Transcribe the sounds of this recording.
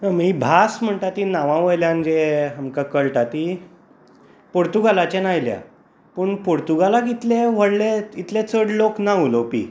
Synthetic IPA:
əmɦibʱasm̤əɳt̪at̪inaʋãʋəjljãnd͡ʑeɦamkakəɭʈat̪i | poɾt̪uɡalat͡ɕẽnajlja̰ | pəːɳpoɾt̪uɡalakit̪leʋ̤əɽleit̪let͡səɽloknaulopḭ

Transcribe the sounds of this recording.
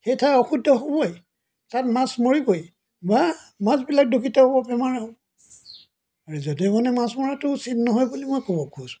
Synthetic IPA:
xejtʰaɔxudʱːɔɦobɔj | tatmasmoɹikoj | bamãzbilak̚dukʰitaɔbɔpɛmaɹaɦɔ | aɹuzodimɔnɛmasmɔɹatʊsitnɔɦɔjbulimɔjkobɔkʰusʊ̥

